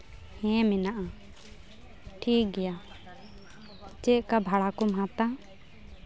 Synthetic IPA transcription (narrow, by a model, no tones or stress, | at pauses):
hɛ̃mɛnaʔa | ʈʰik̚ɡɛja | t͡ʃɛʔ̪kabʱaɽakɔmɦãt̪a